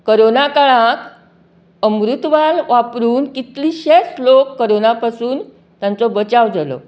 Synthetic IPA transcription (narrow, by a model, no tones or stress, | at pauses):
koɾonakaɭãk | əmɾut̪ʋalʋapɾuːnkit̪liːɕeslokːəɾonapasuːn | t̪jãnt͡sɔbət͡ɕaʋd͡zalɔ̰